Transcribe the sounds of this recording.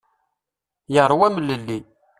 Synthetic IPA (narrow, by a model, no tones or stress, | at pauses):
jəɾˤwæmləlːi